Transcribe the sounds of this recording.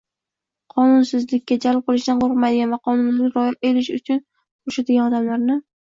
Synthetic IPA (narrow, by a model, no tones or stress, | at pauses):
qʰɒnʊnsɪzlɪkʲːad͡ʒalp̚qɨlˠɪʃd̪anqoɾqmajd̪ɪɡʲanvaqʰɒnʊnɪkʲɾɒjɪelɪʃʊt͡ʃʰʊn | oʃad̪ɪɡʲanɒd̪amlaɾnɪ